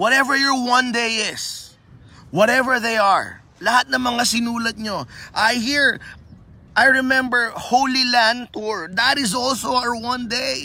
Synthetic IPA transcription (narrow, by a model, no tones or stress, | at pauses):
wɔt̪ɛvəɹjɔɹwɐ̃nd̪ejɪs | wɔɾɛvəɹðejɐɹ | lɐhat̪̚nɐŋmɐŋasɪnuːlɐt̪̚ɲoʔajɦiɹ | ʔajɹɛmɛ̃mbɛɹhowlilæ̃nd̪̚t̪uɹd̪ɐt̪ɪzɔlsoawɐ̃nd̪ej